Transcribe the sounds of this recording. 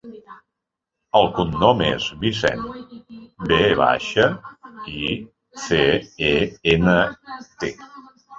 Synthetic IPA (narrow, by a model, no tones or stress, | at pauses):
əlˠkunːɔmḛzβisɛ̰n | beβa̰ʃəi | θeeenət̪e